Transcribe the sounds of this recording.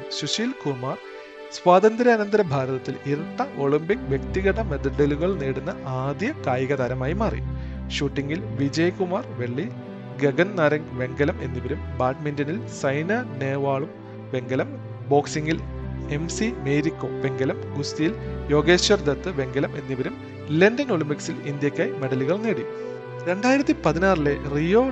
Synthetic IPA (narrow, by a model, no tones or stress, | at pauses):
ɕuɕilkumaːr | sʋaːd̪ɐnd̪ɾɐɐːnɐnd̪ɐɾɐbʱaːɾɐðɐt̪ːiliɾɐʈːɐʔo̞ɭimbikʋje̞kt̪iɣɐʈːɐmed̪ɖɐluɣɐɭneːɽunːɐʔaːd̪jɐkaːjɐɣɐðaːɾɐmaːjimaːrḭjṵ | ɕuːʈːiŋɡilʋid͡ʑɐjkumaːrʋe̞ɭːi | ɡeɡɐnnɐɾɐŋɡʋe̞ŋɡɐlɐme̞nːiʋɐɾumbaːʈmindɐnilsɐjnɐne̞ːʋaːɭum | ʋe̞ŋɡɐlɐm | bo̞ːksiŋɡil | e̞msimeːɾikːoːʋe̞ŋɡɐlɐmɡust̪ijiljo̞ːɡeːɕjɐrd̪ɐt̪ːɨʋe̞ŋɡɐlɐme̞nːiʋɐɾum | lendɐnoɭimpiksilind̪jɐkʲːaːjme̞ɽɐliɣɐɭneːɽi | ɾe̞ɳɖaːjiɾɐt̪ːipɐðinaːrile̞rijo̞ː